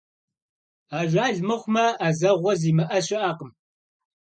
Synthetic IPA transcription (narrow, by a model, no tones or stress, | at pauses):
aːʒʷaːɮmɨχʷmɐaːzɐʁʷɔziːmɐʔɐɕɪʔaːqəm